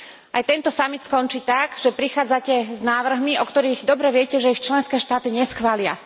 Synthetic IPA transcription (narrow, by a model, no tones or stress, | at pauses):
ʔajt̪ɛnt̪ɔsamit̪skɔnt͡ʃiːt̪aɡʒ̥ɛpɾixaːd͡zacɛznaːʋr̩ɦmiɔkt̪ɔɾiːɣd̪ɔbɾɛʋɪɛcɛʒɛixt͡ʃlɛnskɛːʃt̪aːt̪iɲɛsxʋaːlɪa̰